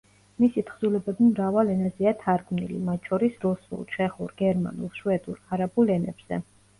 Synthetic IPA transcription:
misit̪ʰχzulɛbɛbimɾavalɛnaziat̪ʰaɾɡmnḭlḭmat̪̚ʰt͡ʃʰɔɾisɾusṵlˠt͡ʃʰɛχuɾɡɛɾma̰nṵlˠʃuɛd̪uɾaɾabulɛnɛ̰bz̥ɛ̰

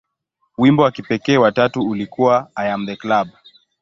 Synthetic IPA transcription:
wimbɔwakipɛkɛːwatatuulikuwaːjam̩ðɛklab

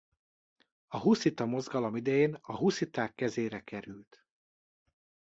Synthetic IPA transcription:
ɒɦusit̪ɒmo̞zɡɒlo̞mid̪ɛjeːnɒɦusit̪aːkːɛzeːɾɛkɛɾylt̪

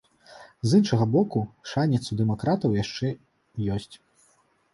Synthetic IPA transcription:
zɨnʂɐɣɐbɔkuʂanʲɛt̪sud̪ɛmɔkɾat̪ɐwjaʂt͡ʂɛ | jɔsʲt͡sʲ

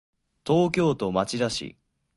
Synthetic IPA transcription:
t̪o̞ːk̬ʲo̞ːt̪o̞mat͡ɕid̪aɕḭ

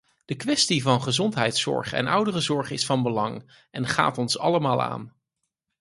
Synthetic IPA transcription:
d̥əkʋɛstivɑnχəzɔntɦɛjtsɔ̰ɹχɛ̰nʌwdərəzɔɹχɪsfɑnbəlɑŋ | ɛnχa̰ːtɔnsɑ̰ləmaːlˠa̰ːn

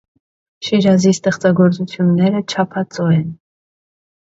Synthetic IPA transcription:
ʃiɾɑzist̪ɛχt͡sɑɡɔɾt͡sut͡sʰjunːɛɾət͡ʃʰɑpʰɑt͡sɔɛn

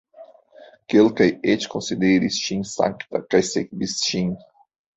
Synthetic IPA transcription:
kelkajet͡ʃkõnsid̪eɾist͡ʃiŋsã̰ŋkt̪ɐkajsekbist͡ʃĩŋ

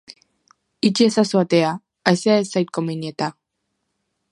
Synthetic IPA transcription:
it͡ʃiesasuat̪ea | aeseaesajt̪̚komeniet̪a

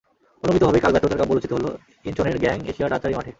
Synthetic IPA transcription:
onomit̪obʱɔbekalbat̪ːod̪eɾkaboɾut͡ɕit̪oɦolo̰ | int͡ɕoneɾɡɛŋḛʃiaɾat͡ɕaɾimaʈʰe

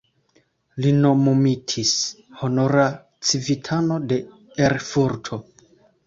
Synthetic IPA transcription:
lino̞mumitʰis | ho̞no̞ɾa | t͡sivitʰano̞de̞ | eɾfuɾtʰo̞

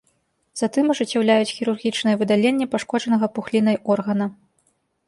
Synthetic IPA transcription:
z̥at̪ɨmɐʐɨt͡sʲːawlʲajut͡sʲxʲiɾurɣʲit͡ʂnɨjɛvɨd̪alʲenʲːɛpaʂkɔʐɐnɐɣɐpuxlʲin̪ɐjʔɔrɣɐnɐ

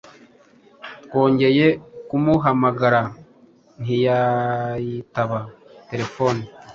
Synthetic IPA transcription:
tko̞ːɲɟe̞je̞kumuɦamaɡaɾa | n̥ijajitaβate̞ɾe̞fo̞ni

